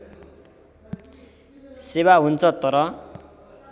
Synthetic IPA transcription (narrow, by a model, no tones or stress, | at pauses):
seβaɦunt͡sʰʌt̪ʌɾʌ